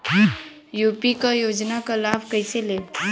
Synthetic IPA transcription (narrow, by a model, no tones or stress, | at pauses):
jupikajod͡ʒnakalabʱkəjsele